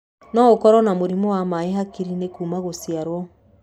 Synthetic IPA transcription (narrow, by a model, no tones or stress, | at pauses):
nɔokɔɾɔnamoɾimɔwamaeɦakiɾinekuːmaɣosiaɾwɔ